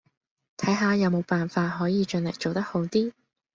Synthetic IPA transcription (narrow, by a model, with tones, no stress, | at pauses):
t̪ʰɐ˨˥jɦaː˨˧jɐ˨˧wmo˨˧wpaː˨nfaː˧t̚ɦɔː˨˥jiː˨˧t͡ʃɵ˨˧nlɐ˨˩j̚t͡ʃo˨wt̪ɐ˥k̚ho˨˥wt̪iː˥